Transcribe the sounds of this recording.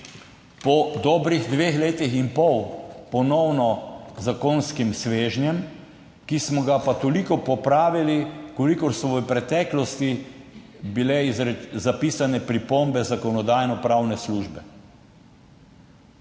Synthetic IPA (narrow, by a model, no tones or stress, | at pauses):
pɔd̪ɔːbɾixd̪ʋexleːt̪ixinpɔwpɔnɔwnɔzakoːnskimsʋeːʒnjɛm | kismɔɡapat̪ɔlikɔpɔpɾaːʋilikɔlikɔɾsɔʋəpɾɛt̪ɛːklɔst̪i | bilɛizɾɛzapiːsanɛpɾipombɛzakɔnɔd̪ajnɔpɾawnɛsluːʒbɛ